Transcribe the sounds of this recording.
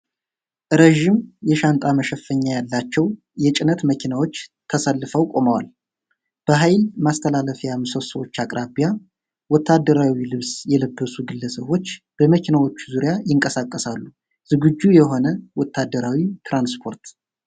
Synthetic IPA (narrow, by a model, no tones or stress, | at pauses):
ʔɾeʒimjɛʃant̪ʼaməʃɛfːəɲːajalːat͡ʃːɛw | jɛt͡ʃʼɪnət̪məkʰinawo̞t͡ʃːt̪ʰəsəlːɨfəwkʼo̞məwa̰l | b̥əɦajlmast̪ʰəlaləfijamɨsosəwot͡ʃːakʼɾʔabija | wɔt̪ʰːad̪ːəɾawilɨβsjɛləbːəsuɡɨlːəsəβo̞t͡ʃː | b̥əməkʰinawo̞t͡ʃːuzuɾjajɪŋkʼəsakʼːəsalːu | z̥ɨɡɨd͡ʒːujɛɦo̞nəwɔt̪ʰːad̪ːəɾawit̪ʰɾanspʰo̞ɾt̪